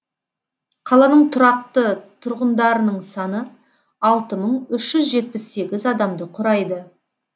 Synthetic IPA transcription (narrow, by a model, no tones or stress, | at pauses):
qʰɑlˠɑnəɴt̪ʰʊɾɑq̚t̪ət̪ʰʊɾʁənd̪ɑɾənəɴsɑnə | ɑlˠt̪əməɴʏʃʒ̥ʏzʒe̞t̪̚pɪsːe̞ɡʲɪzɑd̪ɑmd̪əqʰʊɾɑjd̪ə